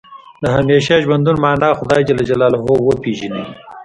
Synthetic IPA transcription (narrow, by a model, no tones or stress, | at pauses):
d̪əɦameːʃaʒwɐnd̪unmɑːnɑːxʊd̪ɑːjd͡ʒɐlad͡ʒɐlɑːlaɦowəpiʒinḭ